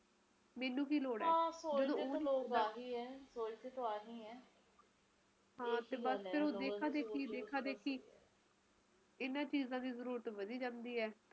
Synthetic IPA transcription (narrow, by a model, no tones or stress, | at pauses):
mɛːnũːk̬iːloːɽɛːaːsod͡ʒːəd̪õoːd̪aːɦiːɛːsoːlt͡ʃet̪oaːɦiːɛː | ɦãːt̪eːbəspʰɪɾõːd̪eːkʰaːd̪eːkʰiːd̪eːkʰaːd̪eːkʰiː | ɪnãːt͡ʃiːzãːd̪iːzəɾuːɾət̪ʋəd̪iːd͡ʒãːnd̪iːɛː